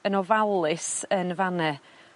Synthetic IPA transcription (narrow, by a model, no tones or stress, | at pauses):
ənɔvalˠɨsənvanɛ